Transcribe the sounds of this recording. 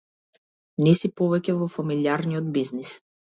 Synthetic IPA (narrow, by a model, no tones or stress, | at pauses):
nɛsipɔvɛcʲɛvɔfamiliaɾnijɔd̪biznis